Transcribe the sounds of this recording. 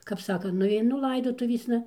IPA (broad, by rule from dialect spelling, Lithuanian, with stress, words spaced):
kɐp ˈsɑːkɐ nʊɐɪˈnʊ ˈlˠɐɪdoːtʊʋʲeːsnɐ